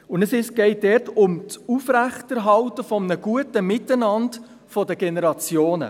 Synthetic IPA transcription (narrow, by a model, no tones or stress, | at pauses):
ʊndəsɪsɡ̥ɛɪt̚dɛrtʊmt͡sufɾæχtəɾɦɑltəfɔmnəɡ̥uətəmɪtːənɑnd | fɔdəɡ̥enɛɾɑt͡sjoːnə̰